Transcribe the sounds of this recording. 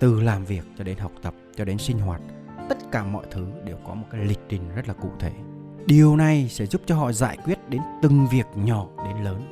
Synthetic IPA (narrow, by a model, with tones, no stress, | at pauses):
t̪ɨ˨˩laː˨˩mvi˨˩ək̚t͡ɕɔ˧ɗe˨˦nɦa˨˩wk͡p̚t̪ə˨˩p̚t͡ɕɔ˧ɗe˨˦nsï˧ŋ̟ɦwaː˨˩t̚ | t̪ə˦˥t̚kaː˧˩mɔ̰˧˨jt̪ʰɨ˨˦ɗe˨˩wkɔ˨˦mo˨˩t̚kaː˨˦jlï˨˩k̟̚ɗï˨˩ŋ̟zə˦˥t̚laː˨˩kṵ˧˨t̪ʰe˧˩ | ɗi˨˩əwna˨˩jsɛ̰˧˥zu˦˥p̚t͡ɕɔ˧ɦɔ̰˧˨za̰ː˧˨jkwi˦˥ət̚ɗe˨˦nt̪ɨ˨˩ŋvi˨˩ək̚ɲɔ˧˩˨ɗe˨˦nləː˨˦n